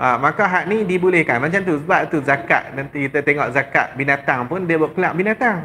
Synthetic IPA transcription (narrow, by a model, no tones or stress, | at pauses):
ʔamakaɦaʔnidibulɛhkanmant͡ʃamt̪̬usbapt̪uzaka̰ʔnait̪ət̪ɛŋɔ̰ʔzaka̰ʔbinãt̪aŋpʊndiəbuəkulaʔ̚binãt̪aŋ